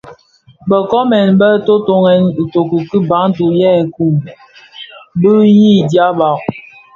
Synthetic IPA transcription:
bə˨kɔ˦mɛ˨nbə˦to˦to˦ŋɛ˨n̩˨to˨ku˨ki˦ba˨˦ŋ˦tu˨jɛ˦˨ku˦˨ | bə˦ji˦˨dja˦ba˨ʔ

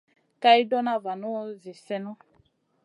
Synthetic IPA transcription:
ka˦i˦dɔ˦na˦va˨nɔ˦zi˨sɛ˦nɔ˦

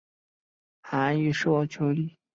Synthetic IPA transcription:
xa˧˥y˥˩ʂo˥˧ɑ˥˩ʊt͡ɕʰjo˧˥ʊli˥˩

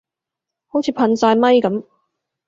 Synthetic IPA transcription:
ho˨˥wt͡sʰi˨˧pʰɐ˧nsaː˧jmɐ˥jkɐ˨˧˥m

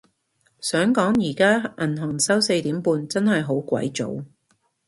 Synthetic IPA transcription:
sœː˨˥ŋkɔː˨˥ŋjiː˨˩kaː˥ʔɐ˨˩nɦɐ˨˩ŋsɐ˥wse˧jt̪iː˨˥mpuː˧nt͡sɐ˥nhɐ˨jɦo˨˥wkʷɐ̰˨˥jt͡so̰˨˥w

